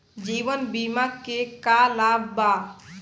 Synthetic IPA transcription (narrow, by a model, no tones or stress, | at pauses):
d͡ʒiːʋənbimakkekalaːbbaː